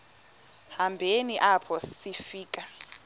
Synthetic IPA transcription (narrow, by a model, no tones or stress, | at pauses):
hambʱeniʔapʰɔsifiːkʼa